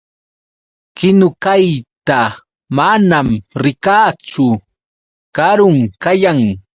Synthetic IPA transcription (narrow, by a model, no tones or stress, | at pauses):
kɪnʊkajt̪a | manamɾɪkaːt͡sʊ | kaɾʊŋkajaŋ